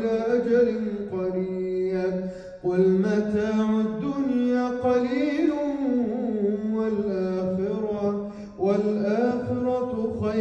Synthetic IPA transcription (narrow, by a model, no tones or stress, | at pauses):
laːʔad͡ʒalɪnqɑɾiːja | walmat̪aːʕad̪ːʊnjaːqɑliːlʊ | alʔaːxɪɾɑ | walʔaːxɪɾɑxa